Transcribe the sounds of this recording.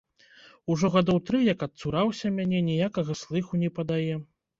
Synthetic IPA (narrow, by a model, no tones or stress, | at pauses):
uʐɔɣɐd̪ɔwt̪ɾɨjɐkɐt̪suɾawsʲɐmʲanʲɛnʲɛjakɐɣɐslˠɨxunʲɛpɐd̪ajɛ